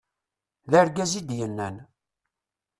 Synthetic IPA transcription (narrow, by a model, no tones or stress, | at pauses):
ðəɾɡæzid̪jənːæn